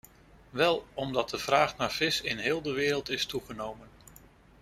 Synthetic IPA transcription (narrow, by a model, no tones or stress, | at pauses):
ʋɛlˠɔmdɑt̚dəv̥raːχnaːɹv̥ɪsɪnɦɪːlˠdəʋɪːɾəlˠtɪstuχənowmən